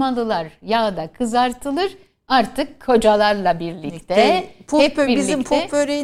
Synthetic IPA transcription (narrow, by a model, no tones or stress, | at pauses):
malˠɯlˠaɾjad̪akʰɯzaɾt̪ʰɯlˠɯɾ̥ | aɾt̪ʰɯkʰːod͡ʒalˠaɾlˠabiɾlʲict̪ʰɛpʰoɛbiɾbizʲimpʰoøɾe